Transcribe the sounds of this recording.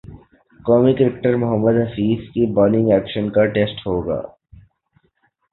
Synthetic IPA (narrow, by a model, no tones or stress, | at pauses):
kɔːmikɐɾɪk̚ʈəɾmʊɦəmːəd̪ɦɐfiːzkibɔːnɪ̃ŋɡɛːkʃənkaʈeːsʈɦoːɡa̰ː